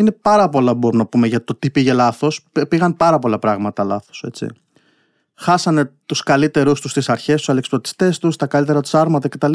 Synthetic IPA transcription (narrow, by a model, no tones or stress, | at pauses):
ine̞pɐɾɐpo̞lɐbo̞ɾumnɐpume̞ʝɐt̪o̞t̪ipiʝe̞lɐθo̞sepiɣɐnpɐɾɐpo̞lɐpɾɐɣmɐt̪ɐlɐθo̞̥se̞̰t͡ssḭ | xɐsɐne̞t̪uskɐlit̪e̞ɾust̪ust̪isɐɾçe̞st̪usɐleksplot̪i̥st̪e̞st̪ust̪ɐkɐlit̪e̞ɾɐt̪u̥sɐɾmɐt̪ɐce̞t̪ɐl